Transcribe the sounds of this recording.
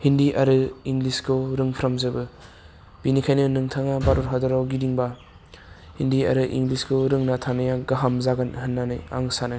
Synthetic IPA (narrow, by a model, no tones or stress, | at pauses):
hindiʔaɾɯiŋɡliskʰɯwɾɯŋpʰɾamzɯbɯ | b̥inikʰajnɯnɯŋtʰaŋabaɾuɾɦadaɾawɡidiŋba | hindia̰ɾɯʔḭŋɡliskʰɯwɾɯŋnatʰanajaɡaɦamzaɡanɦɯnːanɯja̰ŋsana